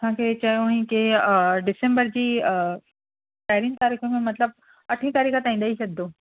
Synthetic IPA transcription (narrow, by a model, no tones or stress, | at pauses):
tãket͡ɕajoĩkeɖɪsẽmbəɾd͡ʑiː | ʃaːjɾiːnt̪aːɾiːxõmẽmɐt̪ləb̚ | ɐʈʰĩt̪aɾiːkʰət̪aːĩnd̪aɦiʃɐd̪ːo